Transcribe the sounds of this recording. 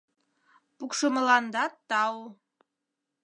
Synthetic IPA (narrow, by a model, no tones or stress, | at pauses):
pukʃumə̆lˠɑnd̪ɑt̪ɑw